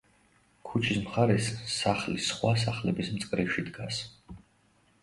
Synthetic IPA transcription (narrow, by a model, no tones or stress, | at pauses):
kʰut͡ʃʰismχaɾɛsːaχlisχwas̬aχlɛbismt̪sʼkʼɾiʃid̪ɡas